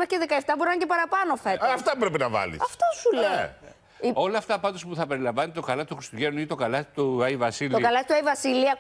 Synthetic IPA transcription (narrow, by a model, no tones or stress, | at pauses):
mɐceðekɐeft̪ɐboɾinɐɲcepɐɾɐpɐno̞feɐft̪ɐpɾepenɐvɐ̰lḭsɐft̪osule | io̞lɐːft̪ɐpɐnd̪ospuθɐpe̞ɾilɐɱvɐnet̪et̪okɐlɐt̪it̪uxɾist̪uʝenuit̪o̞kɐlɐt̪i̥t̪uɐivɐsilt̪okɐlɐt̪i̥t̪uɐivɐsiliɐ